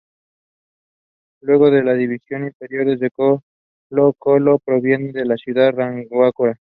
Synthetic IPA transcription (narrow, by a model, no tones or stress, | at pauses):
lwe̞ɣ̞o̞ðe̞laðiβisjo̞niɱfe̞ɾjo̞ɾðed͡ʒeko | lokolopɾo̞βje̞neðelasjuðaraŋɡwakoɾa